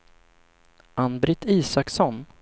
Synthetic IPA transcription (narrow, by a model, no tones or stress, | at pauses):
anbɾɪt̪ʰiːsaksɔn